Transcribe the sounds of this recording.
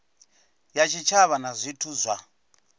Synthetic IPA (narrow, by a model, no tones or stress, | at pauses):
jat͡ʃʰit͡ʃʰaβanazʷitʰuzʷa